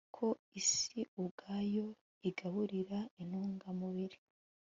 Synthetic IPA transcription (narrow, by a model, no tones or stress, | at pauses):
kʰo̞isiuɡaːjo̞ | iɡaβuɾiɾainhuːŋɡamuβiɾi